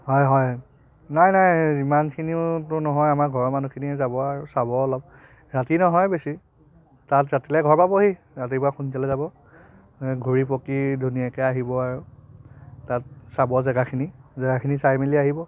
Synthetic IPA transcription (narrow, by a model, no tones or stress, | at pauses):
ɦɔjɦɔj | najnajzimankʰiniʊtʊnɔɦɔjamaɹɡʱɔɹmanukʰiniɛzabɔaɹʊsabɔɔlɔb̚ | ɹatinɔɦɔjbesi | tatzatilɛɡʱɔɹpabɔɦi | zat̬ipʊɹakunsalɛzabɔ | ɡʱuɹip̬okidʱunijakɛaɦibɔaɹʊ | tat̚sabɔzɛɡakʰinizɛɡakʰinisajmeliaɦibɔ